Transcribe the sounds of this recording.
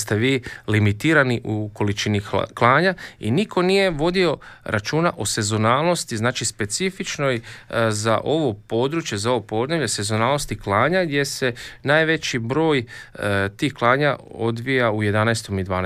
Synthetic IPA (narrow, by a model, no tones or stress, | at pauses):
st̪e̞ʋiːlimit̪iːɾaniʔuko̞lit͡ʃiniklˠaːɲaḭnikʰo̞nije̞ʋo̞d̪io̞ɾʔat͡ʃuːnaʔose̞zo̞naːlˠno̞st̪iznaːt͡ʃispe̞t̪sifit͡ʃno̞jza̰ʔo̞ʋo̞po̞ːd̪ɾuːt͡ʃje̞zaoʋopo̞d̪ne̞βʎe̞se̞zo̞naːlnost̪iklˠaːɲaɡd̪je̞se̞naːjʋe̞t͡ɕibɾo̞ːj | t̪iːxklˠaːɲao̞d̪ʋijauje̞d̪anaest̪o̞mid̪ʋaːn